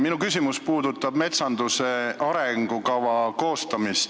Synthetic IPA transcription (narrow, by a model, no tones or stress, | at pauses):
minukysʲimuspuːd̪ut̪ːˑɑb̥me̞t̪sɑnd̪use̞ɑɾeŋɡ̥ukɑwɑko̞ːst̪ɑmist̪